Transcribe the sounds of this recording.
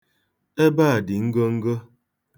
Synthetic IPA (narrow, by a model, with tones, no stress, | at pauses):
e˦baː˦a˨di˨ŋ̩˦ɡo˦ŋ̩˦ɡo˦